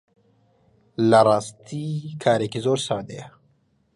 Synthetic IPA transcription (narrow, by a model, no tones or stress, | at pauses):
laɾaːst̪ikʰaːɾekizoːɾsaːd̪e